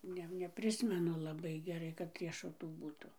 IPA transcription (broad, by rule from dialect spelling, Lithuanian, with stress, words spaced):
ˈnʲɛ nʲɛˈpʲrʲɪsʲmʲɛnʊ lˠɐˈbɐɪ ɡʲɛˈrɐɪ kɐt rʲiɛʃʊˈtuː ˈbuːtʊ